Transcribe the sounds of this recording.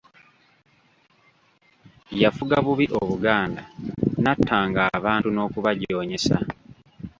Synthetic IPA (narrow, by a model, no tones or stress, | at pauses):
jafuɡaβuβiʔoβuɡaːndanatʰːaːŋɡaːβaːntuno̞ːkuβaɟo̞ːɲe̞sa̰